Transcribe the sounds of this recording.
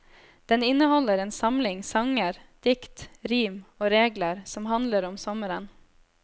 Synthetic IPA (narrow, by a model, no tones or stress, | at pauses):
d̪̥ɛnɪnəhɔləɾeːnsɑmlɪŋsɑŋəɾd̪̥ɪkt̪ɾiːmoːɾeːɡləɾsɔmhɑnləɾɔmsɔməɾən